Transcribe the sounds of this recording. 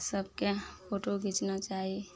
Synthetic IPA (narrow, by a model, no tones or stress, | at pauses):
səb̚kepʰoːʈoɡʱɪt͡ʃnat͡ʃaːɦie